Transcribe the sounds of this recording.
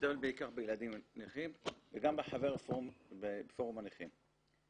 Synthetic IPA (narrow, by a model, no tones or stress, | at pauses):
t̪lbeikaχbejelad̪imniχimveɡambeħaveʁfoebfoʁumaniχim